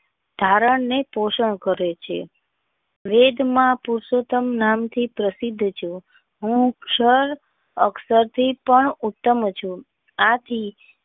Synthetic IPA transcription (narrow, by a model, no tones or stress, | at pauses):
d̪ʱaɾəɳnepoʃəɳkəɾet͡ʃʰḛ | ʋed̪ʱmãpuɾsot̪əmnamt̪ʰipɾəsid̪ʱːt͡ʃʰũ | ɦũkʃəɾ | əksəɾt̪ʰipəɳut̪ːəmt͡ʃʰũ | at̪ʰi